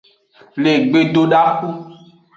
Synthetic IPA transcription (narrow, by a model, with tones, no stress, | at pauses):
le˨ɡ͡be˨do˧ɖa˦ku˦